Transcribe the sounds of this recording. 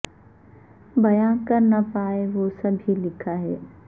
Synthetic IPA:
bɐjãːnkɐɾnapaːeʋosɐbʱilɪkʰaɦɛː

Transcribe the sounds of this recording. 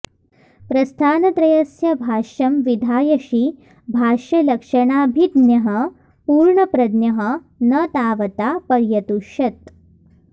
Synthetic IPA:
pɾɐst̪ʰaːnɐt̪ɾɐjɐsjɐbʱaːʂɐmʋid̪ʱaːjɐʃi | bʱaːʂɐlɐkʂɐɳaːbʱid̪njɐɦɐ | puːɾɳɐpɾɐd̪njɐɦə | nɐt̪aːʋɐt̪apɐɾjɐt̪uʂɐt̪̚

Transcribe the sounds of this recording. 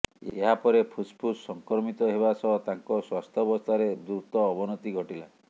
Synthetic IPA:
ḛɦapɔɾepʰuspʰusɔŋkɾɔmit̪ɔɦeβasɔɦɔt̪aŋkɔswast̪ʰɔbɔst̪ʰaɾed̪uɾt̪ɔːbɔnɔt̪iɡʱɔʈila

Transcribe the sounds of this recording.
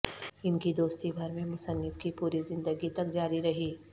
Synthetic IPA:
ɪnkid̪oːst̪ibʱɐɾmẽmʊsənːɪfkipuːɾizɪ̃nd̪əɡit̪ɐkd͡ʒaːɾiɾɐɦiː

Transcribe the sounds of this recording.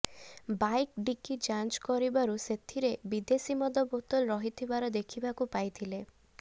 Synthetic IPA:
bajkɖikid͡ʒant͡ʃkɔɾibaɾuset̪ʰiɾebid̪esimɔd̪ɔbot̪ɔlɾɔɦit̪ʰibaɾɔd̪ekʰibakupajt̪ʰile

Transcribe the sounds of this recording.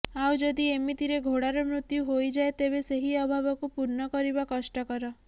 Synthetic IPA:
awd͡ʒod̪iemit̪iɾeɡʱoɽaɾɔmɾut̪juɦojd͡ʒaet̪eβeseɦiɔbʱabɔkupuɾnɔkɔɾibakɔʃʈɔkɔɾɔ

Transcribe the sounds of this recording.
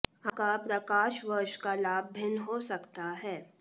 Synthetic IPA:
ɐkapɾɐkaːʃʋɐɾʃkalaːb̚bʱɪnɦosɐkt̪aɦɛː

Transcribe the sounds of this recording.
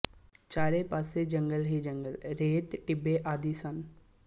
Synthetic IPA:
t͡ʃaːɾepaːsed͡ʒəŋɡəlɦid͡ʒə̃ŋɡəlɾeːt̪ʈɪbːeʔaːd̪iːsən

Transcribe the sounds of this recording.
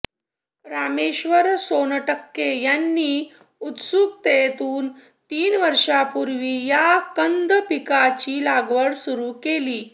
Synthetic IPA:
pɾameɕʋəɾsonəʈəkːejanːiː | ut̪suk̚t̪et̪uːn | t̪iːnʋəɾʂapuɾʋiːjakənd̪pikat͡ɕiːlaɡʋəɽsuɾuːkeliː

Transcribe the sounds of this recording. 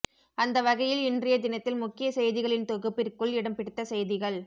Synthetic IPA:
ɐnd̪ɐʋɐɣɐjɪlɪndrɪjɐd̪ɪnɐt̪ːɪlmʊkːɪjɐsɛjðɪɣɐɭɪnt̪ɔɣɯpːɪrkɯɭɪɽɐmpɪɽɯt̪ːɐsɛjðɪɣɐɭ

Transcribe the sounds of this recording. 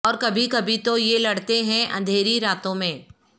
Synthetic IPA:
ɔːɾkɐbʱikɐbʱit̪ojelɐɽt̪eɦɛ̃ʔɐ̃nd̪ʱeːɾiɾaːt̪õmẽː

